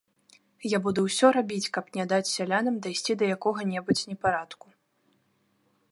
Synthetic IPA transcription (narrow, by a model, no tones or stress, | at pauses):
jabud̪uwsʲɔɾabʲit͡sʲkɐpnʲad̪at͡sʲsʲalʲanɐmd̪ajsʲt͡sʲid̪ɐjakɔɣɐnʲɛbut͡sʲnʲɛpaɾat̪ku̥